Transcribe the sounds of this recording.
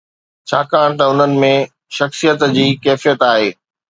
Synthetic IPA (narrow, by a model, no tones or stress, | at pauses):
t͡ɕʰaːkaːɽ̃t̪ɐʊn̤ənɪ̆mẽ | ʃɐxsijət̪d͡ʑiːkɛːfijət̪aːɦeː